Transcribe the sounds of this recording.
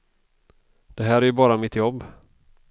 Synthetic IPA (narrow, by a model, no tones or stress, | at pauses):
d̪̥ɛɦæːɾæjɵbɑːɾamɪt̪jɔbː